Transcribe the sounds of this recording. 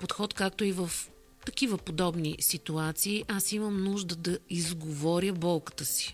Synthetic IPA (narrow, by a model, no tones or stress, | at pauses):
pot̪xɔt̪kak̚t̪oivəf | t̪ɐkivəpod̪ɔbnisit̪uat̪siːʔasiməmnuʒd̪əd̪ɐizɡovɔɾʲjəbɔlˠkə̥t̪əsi̥